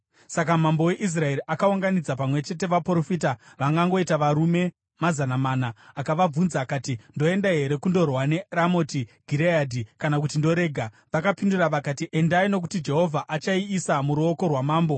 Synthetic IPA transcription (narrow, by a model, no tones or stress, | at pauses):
sakamambo̞we̞ʔis̬rae̞ɾiʔakauŋɡanid͡zapamwe̞t͡ʃe̞te̞ʋapro̞fitaʋaŋɡaŋɡo̞itaʋaɾume̞ | mazanamaːnaːkaʋab͡vunzaːkaːtindo̞e̞ndaɦeɾe̞kundo̞rwane̞ramotiɡʱiɾeadʱikanak̬utindo̞ɾe̞ːɡʱa | ʋakapinduraʋakatiʔe̞ndaino̞k̬utid͡ʒe̞ɦo̞vʱaʔat͡ʃaiːsamuɾuo̞ko̞rwamaːmbo̞